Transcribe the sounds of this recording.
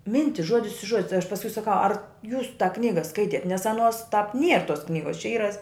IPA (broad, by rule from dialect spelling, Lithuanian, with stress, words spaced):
ˈmʲɪnʲtʲɪs ˈʒuɔdʲɪs ɪ ˈʒuɔdʲɪ tɐɪ ɐʃ pɐsˈkʊɪ sɐˈkɐʊ ɐr juːs tɑː ˈknʲiːɡɐ ˈskɐɪtʲiɛt nʲɛs ɐˈnuɔs tɑːp nʲiɛr toːs ˈknʲiːɡoːs t͡ʃʲɛ ˈiːrɐ